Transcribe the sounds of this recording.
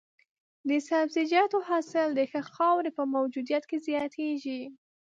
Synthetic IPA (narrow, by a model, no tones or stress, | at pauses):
d̪əsabzid͡ʒɑt̪ohɑsɪld̪əxəxɑwɾepəmawd͡ʒud̪ijat̪kezjɑt̪ʰeʒi